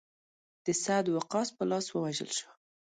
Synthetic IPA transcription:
d̪̥əsad̪waqɑspəlɑswəwaʒə̰lʃə

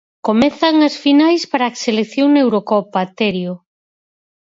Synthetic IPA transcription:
komɛθɐŋɐsfinajspaɾakseleθjoŋnewɾokɔpat̪eɾjo

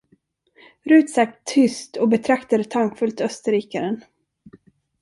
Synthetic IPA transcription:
ɾʉ̟ːt̪sak̚t̪ʰːʏst̪ɔbɛt̪ʰɾakt̪ad̪ɛt̪ʰaŋkfɵlt̪œst̪əɾiːkaɾən

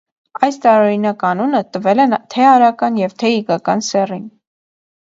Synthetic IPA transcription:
ɑjst̪ɑɾɔɾinɑkɑnunət̪əvɛlɛnt̪ʰɛɑɾɑkɑnjɛvt̪ʰɛikɑkɑnsɛrin

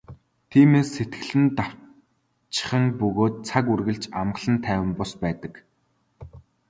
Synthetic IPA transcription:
t̪ʰiːmeːsːet̪ɡɘ̆ɮɘ̆nt̪a | t͡ɕɪ̥̆χə̆ŋpɵɣoːt̪̚t͡sʰakurɣɘ̆ɮt͡ɕamɢə̆ɮə̆nt̪ʰæːwɘ̆mpɔspæːt̪ə̆k

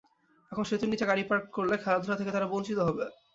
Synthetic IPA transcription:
ɛkʰonʃet̪uɾnit͡ɕeɡaɽipaɾkkoɾlekʰɛlad̪ʱuɾat̪ʰeket̪aɾabont͡ɕit̪oɦɔbe

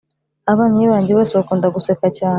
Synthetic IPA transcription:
aβaːnujiβaːɲɟeβoːseβakuːndaɡusekacaː

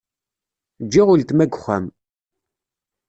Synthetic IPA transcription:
d͡ʒːiʁʊlt̪mæɡχːæ̰m

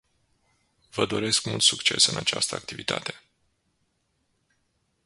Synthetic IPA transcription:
vəd̪o̞ɾe̞skmult̪sukt͡ʃe̞sɨnʔat͡ʃast̪əak̚t̪ivit̪ʰa̰t̪e̞̥

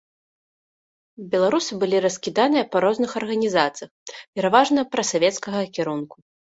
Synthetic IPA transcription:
bʲɛlˠaɾusɨbɨlʲiɾɐskʲid̪anɨjɐpaɾɔznɨxɐrɣɐnʲizat̪sɨjɐxpʲɛɾavaʐnɐpɾɐsavʲɛt̪skɐɣɐkʲiɾunku̥

